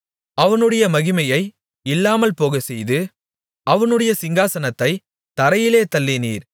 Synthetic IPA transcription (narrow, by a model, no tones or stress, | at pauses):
ɐʋɐnɯɽɐjɐmɐɣɪmɐjɐɪ | ɪlːaːmɐlpoːɣɐsɛjðɯ | ɐʋɐnɯɽɐjɐsɪŋɡaːsɐnɐt̪ːɐɪ | t̪ɐɾɐjɪleːt̪ɐlːɪnḭːɾ